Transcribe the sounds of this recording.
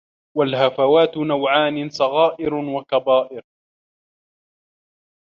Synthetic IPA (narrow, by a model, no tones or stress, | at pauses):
walhafawaːt̪nawʕaːnɪsˤɑɣɑːʔɪɾwakabaːʔɪɾ